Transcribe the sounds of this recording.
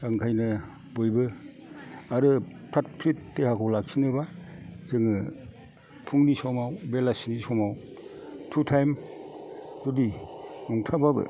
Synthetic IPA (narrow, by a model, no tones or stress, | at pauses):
aŋkʰajnɯ | bojbɯ | aɾɯpʰɾat̚pʰɾitːehakʰɔwlak̚sinɯbazɯŋɯ | pʰuŋnisɔmawbelasinisɔmaw | tʰutʰajm | zudinɔŋtʰababɯ̰